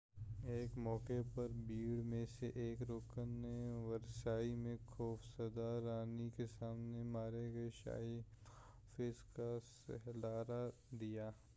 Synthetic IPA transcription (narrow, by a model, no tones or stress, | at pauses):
eːkmɔːkepɐɾbiːɽmẽseʔeːkɾoːkənːeʋɐɾsaːimẽxʰɔːfsɐd̪aɾaːnikesaːmnemaːɾeɡɐeʃa̰ːi | fɪskasɐ̰ɦlaːɾa | d̪ijaː